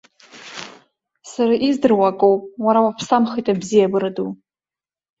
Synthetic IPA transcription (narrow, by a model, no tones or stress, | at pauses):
saɾaʔizdɨrwakʼowpʼwaɾawapʰsamχijtʼabzijabɨɾadu